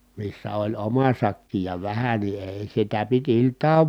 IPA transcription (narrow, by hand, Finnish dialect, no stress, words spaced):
misːæ olʲ omɑ sɑkːi jɑ ʋæhæ ni eˑi̯ sitæ pit iltˑɑːʋ